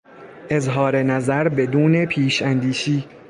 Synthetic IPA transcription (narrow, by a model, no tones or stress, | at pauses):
ʔe̞zɦɒːɾe̞næzæɾbe̞d̪uːne̞pʰiːʃænd̪iːʃiː